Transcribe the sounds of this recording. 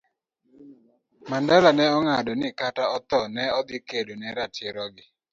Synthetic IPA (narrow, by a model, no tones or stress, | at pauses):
mandalanɛɔŋadɔnɪkataɔt̪ɔnɛɔd̪ɪkedonɛɾatɪɾɔɡɪ